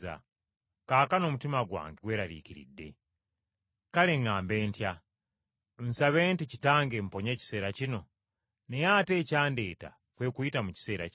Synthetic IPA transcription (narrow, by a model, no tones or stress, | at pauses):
a̰ | kaːkano̞mutimaɡwa̰ːŋɡeɡwe̞ːɾaɾḭːciɾḭdːe̞̰ | kale̞ŋaːmbe̞ːntja | nsaβe̞ːnticitaːŋɡempo̞ɲe̞ːci̥se̞ːɾacino̞ | ne̞jaːte̞ːcaːnde̞ːta̰ | kwe̞ːkuitamuci̥se̞ːɾa̰